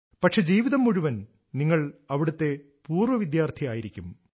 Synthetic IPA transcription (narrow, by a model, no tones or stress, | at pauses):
pɐʈʂe̞d͡ʑiːʋiðɐmːuɻuʋɐn | niŋːɐɭɐʋiɽɐt̪ːe̞ | puːrʋɐʋid̪jaːrt̪ʰijaːjiɾikʲːum